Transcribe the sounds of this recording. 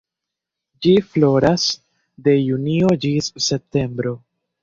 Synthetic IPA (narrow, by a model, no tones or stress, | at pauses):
d͡ʒiflo̞ɾas | de̞junio̞d͡ʒisːe̞p̚te̞mbɾo̞